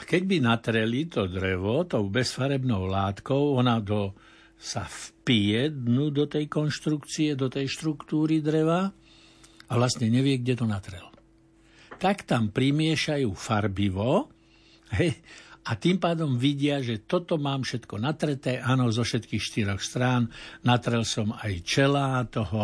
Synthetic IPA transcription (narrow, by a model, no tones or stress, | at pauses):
akɛɟ̚binat̪ɾɛlit̪ɔd̪ɾɛʋɔt̪ɔʊbɛsfaɾɛbnɔʊlaːt̪kɔʊɔnad̪ɔ | sa̰fpiɛd̪nuːd̪ɔt̪ɛjkɔnʃt̪ɾukt͡siɛd̪ɔt̪ɛjʃt̪ɾukt̪uːɾid̪ɾɛʋa | aʋlast̪ɲɛɲɛʋɪɛɡɟɛt̪ɔnat̪ɾɛl | t̪akt̪ampɾimɪɛʃajuːfaɾbiʋɔ | ɦɛjat̪impaːd̪ɔmʋiɟɪaʒɛt̪ɔt̪ɔmaːmfʃɛt̪kɔnat̪ɾɛt̪ɛːʔaːnɔzɔfʃɛt̪kiːxʃt̪iɾɔxst̪ɾaːnnat̪ɾɛlsɔmajt͡ʃɛlat̪ɔɦɔ